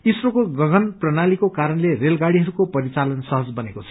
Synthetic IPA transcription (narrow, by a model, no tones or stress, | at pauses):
isrokoɡʌɡʱʌnprʌnalikokaɾʌnlerelɡaɽiɦʌɾukopʌɾit͡salʌnsʌɦʌd͡zbʌnekot͡sʰʌ